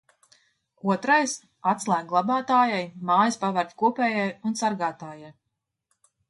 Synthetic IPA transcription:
uɔt̪ɾajs | at̪slˠæːɡlˠabaːt̪aːjajmaːjispavæɾt̪ʲkuɔpɛːjajunsaɾɡaːt̪aːjaj

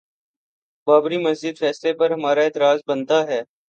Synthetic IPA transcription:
baːbɾimɐzd͡ʒɪd̪fɛːslepɐɾɦɐmaːɾaɪːt̪ɾaːzbənt̪aɦɛː

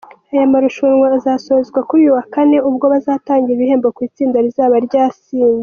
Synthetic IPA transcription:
ajamaɾuʃuɾŋwaːzaːsozɡwakuɾujuwakane̞ubɡo̞βazaːtaːŋɡiɾiβihe̞ːmbokwiːt͡siːndaɾizaːβaɾɟaːsiːɲze

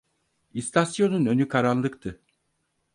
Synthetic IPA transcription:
ist̪ʰasjo̞nunø̞nykʰaɾanlˠɯkt̪ʰɯ

